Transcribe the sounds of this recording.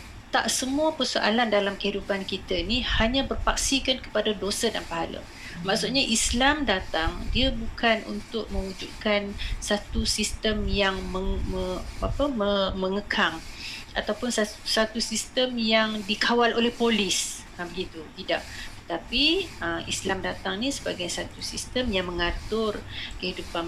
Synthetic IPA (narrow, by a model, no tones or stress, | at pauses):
t̪a̰ʔsəmuəpərsoʔa̰landalamkəhidupankit̪əinihaɲãbərpak̚sikankə̥padadosədanpaɦalə̰ | mãksuʔ̪̚ɲaʔislamdat̪aŋdiəbukʰanṵnt̪ʊk̚mə̃wud͡ʒud̪̚kansat̪usist̪əmjaŋməməapəməməŋəkʰaŋ | a̰t̪awpʊnsasat̪usist̪əmjaŋdikʰawalolɛhpolis | abəɡit̪uɡ̪ida̰ʔt̪ət̪apiəmḭslamdat̪aŋnisəbaɡajsat̪usist̪əmjaŋməŋat̪ʊrkəhidupan